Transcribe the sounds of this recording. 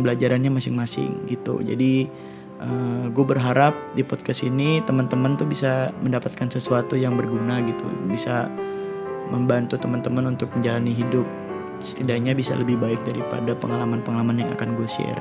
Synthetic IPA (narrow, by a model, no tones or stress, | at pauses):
bəlad͡ʒaɾanɲamasɪŋmasɪ̰ŋɡit̪ṵd͡ʒa̰di | ʔəɡuabərɦaɾap̚dipɔt̪̚kastinit̪əmənt̪əmənt̪ubisaməndapat̪̚kansəsuat̪ujaŋbərɡunaɡit̪ṵbisa | məmbant̪ut̪əmənt̪əmənunt̪ʊk̚məɲd͡ʒalaniɦidʊp̚ | sə̥t̪idaɲabisa̰ləbɪhbaɪk̚daɾipa̰dapəŋalamanpəŋalamanjaŋa̰kanɡuasḭr